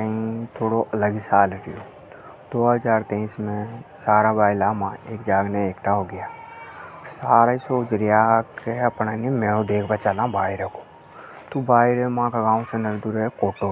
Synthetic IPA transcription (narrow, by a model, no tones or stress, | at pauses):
kəɦĩt̪ʰoːɽoʔɐləɡisaːlɾəjoː | d̪̥oːɦəzaːɾt̪ẽɪsmẽsaːɾabaːɪlaːmãeːkd͡ʒaːɡnẽeːkʈ̪ʰaɦoɡəjaː | ɾsaːɾaisoːd͡ʒɾɪjakeɐpnaːnimɛ̃ːod̪eːkʰbət͡ʃaːlãbaːɪɾeko̥ | t̪ubaːɪɾemãːkaɡãːsenɐɾd̪uɾekoːʈo